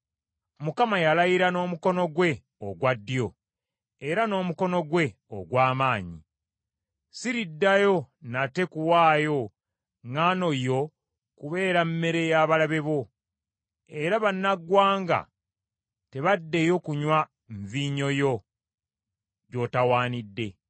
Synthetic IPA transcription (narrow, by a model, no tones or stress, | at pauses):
mukamajalajiɾano̞ːmuko̞no̞ɡwe̞ | oɡwadːjo̞ | eɾano̞ːmuko̞no̞ɡwe̞ | o̰ɡwaːmaːɲḭ | siɾidːajo̞nate̞kuwaːjo̞ | ŋano̞jo̞ | kuβe̞ːɾamme̞ɾe̞jaβalaβe̞βo̞ | e̞ɾaβanːaɡwaːŋɡa̰ | te̞βadːe̞jo̞kuɲwa | ɱviːɲo̞jo̞ | ɟo̞tawaːnidːe̞